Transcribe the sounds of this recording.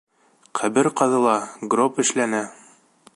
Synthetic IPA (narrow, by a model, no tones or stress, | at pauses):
qʰæβɘɾqɑðɤ̆lˠɑɡropɘ̆ʃlænæ